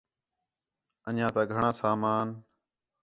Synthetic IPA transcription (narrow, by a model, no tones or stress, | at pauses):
ənãːt̪aːɡʱəɳãːsaːmaːn